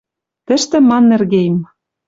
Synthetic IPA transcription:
t̪ɘ̆ʃt̪ɘ̆mɑnːĕrɣejm

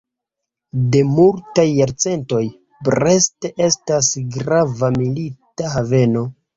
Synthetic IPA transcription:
de̞multajːaɾt͡se̞nto̞j | bɾe̞ste̞ʔe̞stasɡɾavamilitaɦave̞no̞

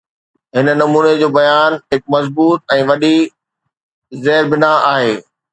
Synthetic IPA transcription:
ɦɪnə̆nɐmuːned͡ʑoːbɐjaːnɦɪk̚mɐzbuːt̪̚ɛ̃ːʋɐɗi | zɛːɪɾbɪnaaːɦeː

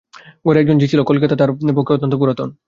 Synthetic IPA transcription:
ɡoɾɛk̚d͡ʑond͡ʑit͡ɕʰilokolk̬et̪at̪aɾepokʰːeot̪ːont̪opuɾat̪on

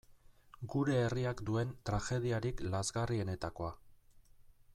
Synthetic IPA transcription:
ɡuɾe̞ːriakd̪ue̞nt̪ɾaxe̞ð̞iaɾiklazɣarie̞ne̞t̪ako̞a

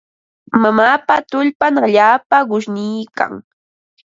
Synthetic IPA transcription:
mamaːpat̪ʊʎpanaʎaːpaɢʊʃnɪjka̰ŋ

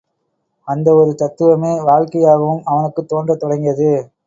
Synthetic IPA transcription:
ɐnd̪ɐɔɾɯt̪ɐt̪ːɯʋɐmeːʋaːɻkɐjaːɣɐʋɯmɐʋɐnɯkːɯt̪ːoːndrɐt̪ːɔɽɐŋɡɪjɐðɯ

